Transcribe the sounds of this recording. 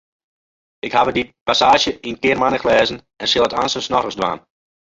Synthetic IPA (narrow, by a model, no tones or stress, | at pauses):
ɪkhaʋədipasaːʃjəʔinkɪərmanəxlɛːzən̩ | ɛnsɪlˠəta̰nsəsnɔtəsdʋa̰ːn